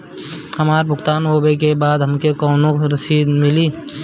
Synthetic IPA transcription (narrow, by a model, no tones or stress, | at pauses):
həmaːɾbʱʊɡt̪aːnoːbek̬ebaːd̪ɦəmkekɔːnõɾəsiːd̪mɪliː